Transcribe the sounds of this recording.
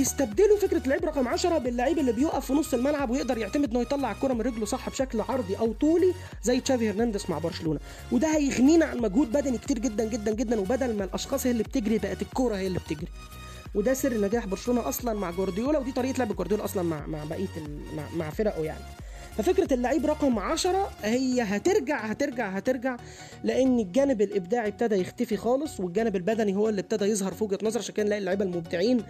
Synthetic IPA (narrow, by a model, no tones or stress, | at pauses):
jest̪æb̚d̪elofekɾælːʕiːbɾˤɑqɑmʕaʃɑɾˤɑbelːaʕiːbelːibejoʔæfːinosˤːelmælʕabwejeʔd̪ɑɾˤjeʕt̪æmed̪ʔenːhojt̪ˤɑlːɑʕelkoːɾˤɑmenɾeɡlosˤɑħːbeʃæklʕɑɾˤd̪ˤiʔæwt̪ˤuːli | zæjːet̪ʃæːbheɾnænd̪esma̰ʕbɑɾʃæluːnæ | wed̪æhæjeɣniːnʕanmæɡhuːd̪̚bæd̪ænike̥t̪iːɾɡed̪ːænɡed̪ːænɡed̪ːænwebæd̪ælmælʔɑʃxɑːsˤhejælːib̚t̪eɡɾibæʔæt̪elkːoːɾˤɑhejːælːib̚t̪eɡɾi | wed̪æserːnːæɡæːħboɾʃoloːnɑʔɑsˤlɑnmaʕɡoɾd̪ejoːlæwed̪it̪ˤɑɾiːʔt̪leʕbæɡoɾd̪ejoːlæʔɑsˤlɑnma̰ʕma̰ʕbæʔiːt̪elma̰ʕmaʕfeɾæʔoja̰ʕni | fæfekɾælːaʕiːbɾˤɑqɑmʕaʃɑɾˤɑhejːæɦæt̪eɾɡaʕhæt̪eɾɡaʕɦæt̪eɾɡaʕ | leʔenːeɡːæːnebelʔebd̪aːʕib̚t̪æd̪æjext̪æfixɑːlesˤweɡæːnebelbæd̪æniɦowːælːib̚t̪æd̪æjezˤɦɑɾˤfoːɡæt̪nɑzˤɑɾˤʔʃænkæːnlæːʔilːoʕiːbælmob̚d̪eʕiːn